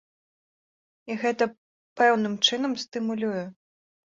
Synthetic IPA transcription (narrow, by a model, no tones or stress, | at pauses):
iɣɛt̪ɐ | pɛwnɨmt͡ʂɨnɐmsʲt̪ɨmulʲuju